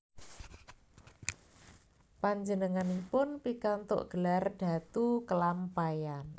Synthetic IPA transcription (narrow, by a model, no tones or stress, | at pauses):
paɲd͡ʒənəŋanipʊnpikant̪ʊ̰ʔɡ̥əlarɖ̥a̤t̪ukəlampajan